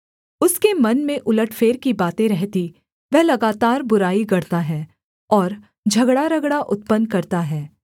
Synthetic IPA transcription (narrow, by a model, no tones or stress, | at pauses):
ʊskemɐnmẽʔʊləʈʰfeːɾkibaːt̪ẽɾɛɦt̪i | ʋɛɦlɐɡaːt̪aːɾbʊɾaːiɡɐɾt̪aɦɛː | ɔːɾ | d͡ʒʱɐɡɽaɾɐɡɽaʔʊt̪̚pənkɐɾt̪aɦɛː